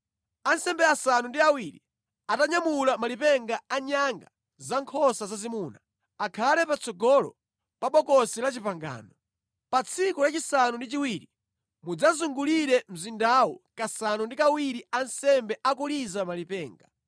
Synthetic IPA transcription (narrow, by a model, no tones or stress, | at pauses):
ansɛmbɛasanundiawiɾi | ataɲamulamalipɛŋɡaaɲaŋɡa̰ | zaŋkʰɔsazazimuːna | akʰalɛpat͡sʰɔɡɔlɔ̰ | paɓɔkɔsilat͡ʃipaŋɡa̰ːnɔ | pat͡sʰikulat͡ʃisanundit͡ʃiwiːɾi | mud͡zazuŋɡuliɾɛm̩zindawɔkasanundikawiɾiansɛmbɛʔakulizamalipɛːŋɡa